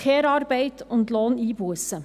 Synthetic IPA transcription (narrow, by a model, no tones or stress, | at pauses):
ɛːɾɑːɾbɛɪt̪ʊnd̪loːniːbuəsə